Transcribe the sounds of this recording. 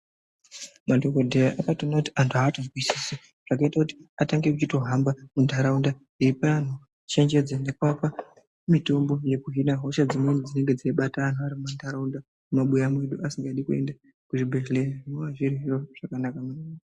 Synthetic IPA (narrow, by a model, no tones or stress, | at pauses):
madʱo̞kodʱejaʔakatonakuti̥antʰuaːtokisisi | ʐ̥akaitakuti̥ataŋɡe̞kut͡ʃito̞ɦambamundʱaɾaunda | iipan̤u | t͡ʃe̞ɲd͡ʒe̞d͡zane̞kwaka | mito̞mbo̞je̞kuɦinaɦo̞ʃad͡zimwenud͡zine̞ŋɡe̞d͡zieɓataan̤uʋaɾimumandʱaɾaunda | mumaɓujamwe̞ɗuasiŋɡaɗikue̞̰nda | kuʐibʱe̞ʒeleranoʋaʐirɦiroʐ̥akanakamui